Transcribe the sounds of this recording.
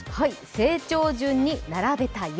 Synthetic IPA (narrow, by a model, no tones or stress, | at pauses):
haise̞ːt͡ɕo̞ːd͡ʑɨ̃ɲ̟ːinaɾabe̞t̪aj